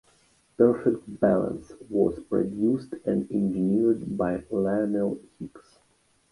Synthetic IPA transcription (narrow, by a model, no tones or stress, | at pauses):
pɛɹfɛk̚t̚bælˠə̰̃nswɔ̰z̥pɹɔ̰djustʰɛ̃ndɛ̃nd͡ʒɨniɹdbaɪlanəlˠhiks